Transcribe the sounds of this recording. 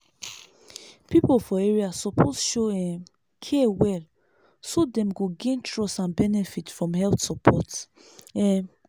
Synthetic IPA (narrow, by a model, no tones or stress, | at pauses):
pipofɔeɹiasɔpʰozʃoɛ | kʰɛwɛl | sodɛ̃mɡoɡẽntʰɹɔsãnbɛnɛfitfɹɔ̃mhɛlt̪sɔpʰɔt | ɛ